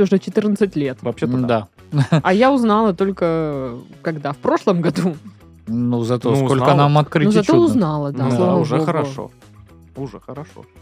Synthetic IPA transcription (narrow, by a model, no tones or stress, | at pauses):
ʊʐɛt͡ɕɪt̪ɨrnət̪sɨtʲlʲe̞t̪vɐɕed̪a | ɐjaʊznalˠət̪o̞lʲkə | kɐɡd̪afpɾo̞ʂlˠəmɡɐd̪u | nuzɐt̪oso̞lʲənamɐt̪̚kɾɨnzɐtt̪oʊznɑlˠəd̪aslˠaavəoɡʊo̰ | uʐɛəɾɐʂo̰